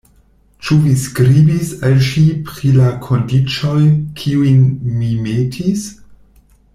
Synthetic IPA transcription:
t͡ʃuviskɾibisalʃipɾilakʰo̞ndit͡ʃo̞jkʰiujnmimetʰis

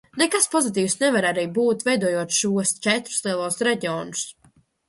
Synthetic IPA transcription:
nekaspɔzit̪̬iːwsnɛvaɾaɾijbuːt̪vɛjd̪uɔːjuɔt̪ʃuɔst͡ʃɛt̪ɾu̥slˠiɛlˠuɔsɾɛɟiɔːnu̥s

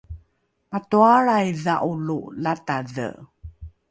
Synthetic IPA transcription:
matuaɭajðaʔululataðə̰

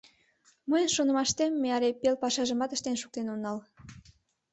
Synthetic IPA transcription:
məjnʃonə̆mɑʃt̪emːeɑɾepelpɑʃɑʒəmɑt̪ə̥ʃt̪enʃuk̚t̪enonːɑl

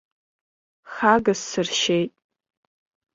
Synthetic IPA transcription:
xaɡasːɨrʃejtʼ

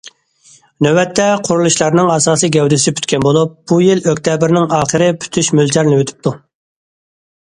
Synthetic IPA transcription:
nøwɛt̪ʰːɛqʰʊɾulˠuʃlˠɑɾnɨŋɑsɑːsɨɡʲɛwd̪ɪsɪpʰy̥t̪kʲɛnbolˠup̚b̥ujiløkʲt̪ʰɛbɪɾnɪŋɑːχəɾɪpʰy̥t̪ʰyʃmylt̪ʰæɾnɪwøt̪ʰy̥p̚t̪ʰu

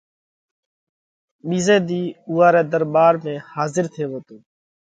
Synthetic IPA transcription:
ɓiːzeːd̪iːuːaːɾɛːd̪əɾɓaːɾmẽːhaːzɪɾt̪ʰeːʋoːt̪oː

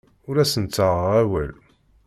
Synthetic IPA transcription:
ʊɾæsənt͡sːəʁəʁæwæ̰l

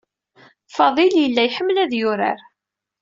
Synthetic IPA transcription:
fɑðˤiljəlːæjħəmːlæðjʊɾa̰ɾ

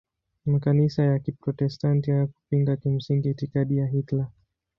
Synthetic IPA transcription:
makanisajakipɾɔtɛstantihajaku̥piŋɡakim̩siŋɡiːtikaɗijaɦitla

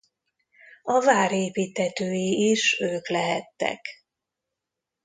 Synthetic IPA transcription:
ɒvaːɾeːpiːt̪hɛt̪øːjiiʃøːklɛɦɛt̪ːɛ̰k

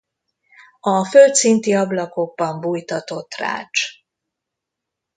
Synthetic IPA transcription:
ɒfølt̪sint̪iɒblɒko̞ɡ̚bɒmbuːjt̪ɒt̪o̞t̪ra̰ːt͡ʃ

